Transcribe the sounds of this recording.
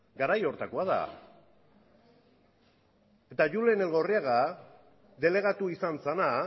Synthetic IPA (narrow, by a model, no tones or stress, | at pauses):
ɡaɾajo̞ɾt̪akoaða̰ | et̪aʝulenelɣo̞riaɣa | ðe̞le̞ɣ̞at̪uisansana